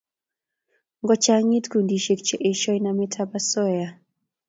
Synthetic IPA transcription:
ŋɡɔ˦t͡ʃa˦ŋi˦t̪ku˨ndi˨ʃe˨k̚t͡ʃɛ˦˨ʔe˨ʃɔ˦jnamɛ˦tʰaba˦sɔ˦ja˨

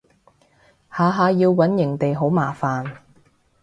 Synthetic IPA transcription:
haː˨˧ɦaː˨˧jiː˧wːɐ˨˥njɪ˨˩ŋt̪e˨jɦo˨˥wmaː˨˩faː˨n

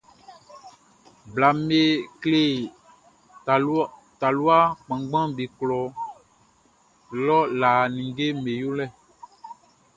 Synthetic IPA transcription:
bla˨me˦kle˦˨ | t̪a˨lu˦a˦k͡pã˨ɡ͡bã˦bi˨klɔ˨ | lɔ˦la˨nĩ˨ŋɡe˦me˨jo˦lɛ˦

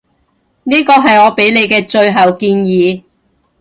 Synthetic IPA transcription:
niː˥kɔː˧ɦɐ˨jŋɔː˨˧pe˨˥jle˨˧jkɛː˧t͡ʃɵ˧ɥɦɐ˨wkiː˧njiː˨˧

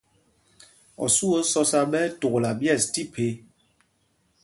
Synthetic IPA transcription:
ɔ̰˨su˦o˦sɔ˦sa˦ɓɛ˦to˨ɣla˨bjɛ˦˨sti˦pʰe˨˦

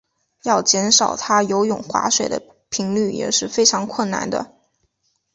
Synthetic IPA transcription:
jɑ˥˩ʊt͡ɕjɛ˧˥nʂɑ˨˩ʊt̪ʰa˥jo˧˥ʊjʊ˨˩ŋxwa̰˧˥ʂwe˨˩ɪd̪ə̰˦ | pʰi˧˥ŋly˥˩jɛ̰˨˩ʂɻ̩˥˩fe˥ɪʈ͡ʂʰɑ˧˥ŋkʰwə˥˩nna̰˥˩nd̪ə̰˧

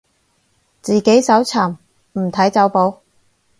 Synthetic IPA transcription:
t͡siː˨ke˨˥jsɐ˨˥wt͡sʰaː˨˩m | m̩˨˩t̪ʰɐ˨˥jt͡sɐ˨˥wpo˨˧˥w

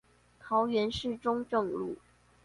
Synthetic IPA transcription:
t̪ʰɑ˧˦ʊɥɛ˧˥nʂɻ̩˥˩ʈ͡ʂʊ˥ŋʈ͡ʂɤ˥˧ŋlu˥˩

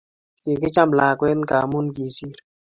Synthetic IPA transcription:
ki˨ki˦t͡ʃa˦mla˨kwɛ˦nka˨mu˦nki˨si˦˨ɾ

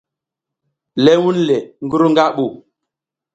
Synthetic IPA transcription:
lɛ˦wu˦nlɛ˨ŋ˦ɡu˦ɾu˦ŋɡa˦ɓu˨

